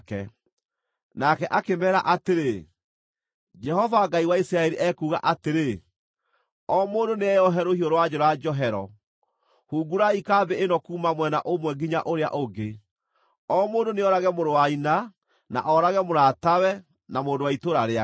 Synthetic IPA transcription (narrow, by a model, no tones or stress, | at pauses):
kɛ̰ | nakɛʔakemɛːɾaʔateɾe | d͡ʒɛhɔvaɡaiwaisɾaɛɾiʔɛkuːɣa̰ʔateɾe | ɔmoːndoneɛjɔɦɛɾohiɔɾowad͡ʒɔɾɔad͡ʒɔɦɛɾɔ | huːɡuɾaikabeenɔkuːmamwɛna̰ʔomwɛɡiɲaʔoɾea̰ʔoɡe | ɔmoːndoneɔɾaɣɛmoɾowaina | na̰ʔɔɾaɣɛmoɾatawɛ | namoːndowaitoɾaɾea